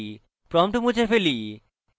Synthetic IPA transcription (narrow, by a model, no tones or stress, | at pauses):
pɾɔmʈomud͡ʑʰʱefeli